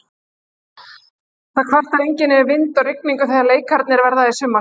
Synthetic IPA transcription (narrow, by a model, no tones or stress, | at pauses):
θakʰvar̥t̪aɾejɲcɪnːɛɾvɪnt̪ɔrɪk̚miŋkʏθɛjðaleːjkʰaɾt̪nɪɾvɛɾðaðɪsʏmːa